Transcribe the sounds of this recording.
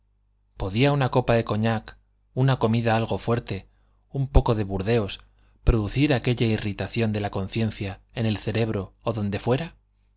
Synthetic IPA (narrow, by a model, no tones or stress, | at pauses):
po̞ðiaunako̞paðe̞ko̞ɲak | unako̞miðaalɣ̞o̞fwe̞ɾt̪e̞ | umpo̞ko̞ðeβuɾðe̞o̞s | pɾo̞ðuθiɾake̞ʎairit̪aθjo̞nd̪e̞lako̞n̟θje̞nθjaene̞lθe̞ɾe̞βɾo̞ːðo̞nd̪e̞fwe̞ɾa